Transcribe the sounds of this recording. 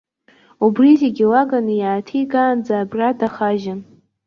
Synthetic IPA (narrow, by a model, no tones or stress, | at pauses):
ubrizeɡʲɪlaɡanɨjaːtʰiɡaːnd͡zaːbradaχaʒan